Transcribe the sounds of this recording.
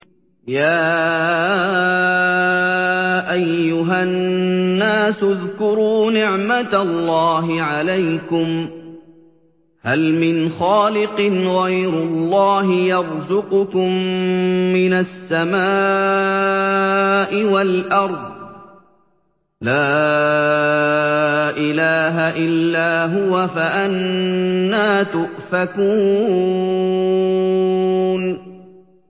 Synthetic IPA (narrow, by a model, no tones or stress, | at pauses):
jaː | ʔajːʊɦaː | aːsʊðkʊɾuːnɪʕmat̪alːɑːɦɪʕalajkʊm | halmɪnxaːlɪqɨnɣajɾʊlːɑːɦɪjɑɾˤzʊqʊkʊmː | ɪnasːamaː | ʔɪwalʔɑɾˤd̪ˤ | laː | ʔɪlaːɦaʔɪlːaːɦʊwafaʔanː | aːt̪ʊʔfakuː | n